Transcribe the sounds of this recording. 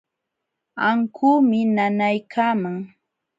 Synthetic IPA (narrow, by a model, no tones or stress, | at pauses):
aŋkʰuːmɪnanajkʰaːmaŋ